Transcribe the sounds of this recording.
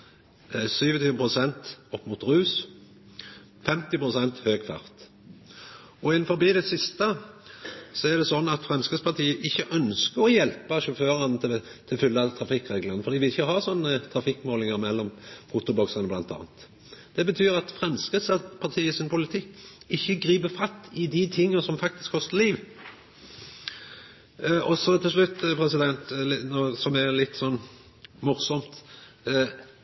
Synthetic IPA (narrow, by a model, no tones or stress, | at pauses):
syːʋɔt̪ʰyːʋəpʰʁʊsɛnt̪ɔpːmʊt̪ʁʉːs | fɛmt̪ɪpʁʊsɛnt̪høːɡfæ̰ʁt̪ | ɔɛnfɔbiːd̪ɛsɪst̪ə | sɔæʁd̪ɛsɔnːɑt̪fʁɛmskʁɪspʰɑt̪ʰiːəʔɪçːəʔœnskəɾɔjɛlpɑʃʊføːɾɑnət̪ʰɛ | t̪ʰɪlfʏlːɑt̪ʰʁɑfɪkːʁeːɡlɑnəfɔd̪iːʋɪɪçːəɦɑːsɔnːət̪ʰɾɑfɪkːmoːlɪŋəʁmɛlːɔmfut̪ʊbɔksɑnəblɑnt̪ɑ̰ːnt̪ | d̪̥ɛbət̪ʰyːɾɑt̪fɾɛmskəsɑpʰɑt̪ʰiːəsɪnpʰʊlɪt̪ʰɪkɪçːəɡɾiːbəfɑt̪ɪd̪ɪt̪ʰɪŋːəsɔmfɑk̚t̪ɪskʰɔst̪əʁliːʋ | ʔɔsɔt̪ʰɪlʂlʉt̪ːpʰɾɛsɪd̪ɛnt̪lnoːsɔmælɪt̪ːsɔnː | mʊɾsɔmt̪